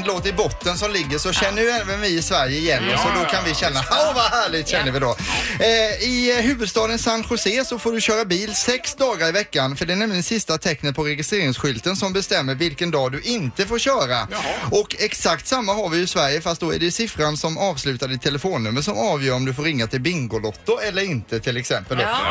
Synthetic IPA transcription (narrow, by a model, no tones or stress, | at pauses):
loːt̪əɾɪbɔt̪ːənsɔmlɪɡːəʂɔɕɛnːəjʏɛnvənvɪɪsvæɾjəɪjɛnːɔsɔd̪ɔkʰanvɪɕɛnːahaʊvahæːɭɪɡt̪ɕɛnːəɾvɪd̪oː | ɪɦʉ̟ːvɵd̪st̪ɑːd̪ənsanːɧʊseːsɔfoːɖɵɕœːɾabiːlsɛksd̪ɑːɡaɾɪvɛkːanfœɖɛɛnɛmlɪɡənsɪst̪at̪ʰɛknət̪̚pʰɔɾɛjɪst̪ɾeːɾɪŋsɧʏlt̪ənsɔmbɛst̪ɛmːəɾvɪlkənd̪ɑːd̪ɵʔɪnt̪əfoːɾɕœːɾaɔkɛksakt̪samːaɦaɾvɪjɪsvæɾjəfast̪̚d̪ɔæ̰ɖɛjɵsɪfɾansɔmɑːvslʉ̟ːt̪aɖɪt̪ʰːɛləfoːnːɵmːəʂɔmɑːvjœːɾɔmd̪ɵfoːɾɪŋːat̪ʰɪlbɪŋɡʊlɔt̪ːʊɛlːəɾɪnt̪ət̪ʰɪlɛksɛmpəld̪o̰